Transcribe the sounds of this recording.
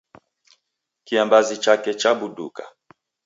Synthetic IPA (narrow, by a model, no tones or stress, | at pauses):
kiambazit͡ʃakɛt͡ʃabudṵka̰